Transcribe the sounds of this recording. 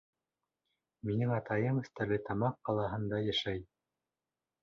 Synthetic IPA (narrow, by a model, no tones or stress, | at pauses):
minɘŋɑt̪ɑjɤmɵ̆θt̪ælɘt̪ɑmɑqːɑlˠɑɦɤ̆nd̪ɑjæʃæj